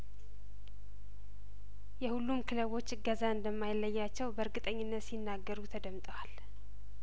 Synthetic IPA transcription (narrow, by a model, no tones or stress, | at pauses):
jɛhulːumkʰɨləβo̞t͡ʃːɨɡəzaɨnd̪əmːajɪlːəjːat͡ʃːɛwbəɾɡɨt̪ʼəɲːɪnːət̪sinːaɡːəɾut̪ʰəd̪əmt̪ʼəwal